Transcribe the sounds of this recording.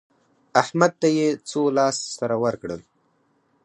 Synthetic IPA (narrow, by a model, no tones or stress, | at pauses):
ahmad̪̚t̪ajet͡solɑːssaɾawəɾkɽəl